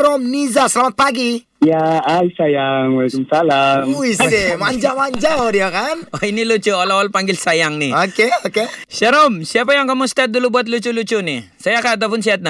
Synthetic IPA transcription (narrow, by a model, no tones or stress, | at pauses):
ɾɔmnizasəlamat̪̚paɡi | jaajsajaŋwalkumsalamuisd̪emaɲd͡ʒamaɲd͡ʒaɔɾijakanoinilut͡ʃualawalpaŋɡɪlsajaŋniokeokeʃaɾɔmsiapajaŋkamust̪at̪̚d̪ulubuat̪̚lut͡ʃulut͡ʃunisajakaːt̪̬ap̬ʊnsiɦat̪̚na